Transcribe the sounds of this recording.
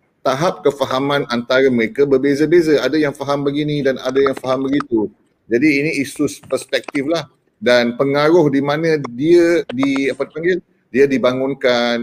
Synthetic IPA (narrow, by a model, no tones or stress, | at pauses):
t̪aɦap̚kəfaɦamãnʔant̪aɾaməɾekabərbezabezaadajaŋfaɦambəɡinĩdana̰dajaŋfaɦambəɡit̪u | d͡ʒadiːniisuspərspɛk̚t̪iflah | danpəŋaɾʊhdimãnə̃diədiapadpaŋɡɪl | diadibaŋʊnkan